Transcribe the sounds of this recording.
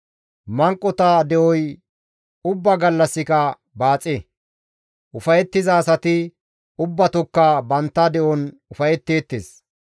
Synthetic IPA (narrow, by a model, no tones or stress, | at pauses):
mɐŋkʼːɔt̪ad̪ɛʔɔj | ʊbːɐɡɐlːɐsːɪkɐ | baːt͡sʼe | ʔʊfɐjɛt̪ːɪzɐːsɐt̪ɪ | ʊbːɐt̪ɔkːabɐnt̪ːɐd̪ɛʔɔn | ʊfɐjɛt̪ːe̞ːt̪ːeːs